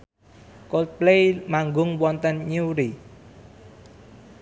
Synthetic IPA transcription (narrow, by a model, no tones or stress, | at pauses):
kolt̪̚plemaŋɡʊŋwɔnt̪ənɲuɾi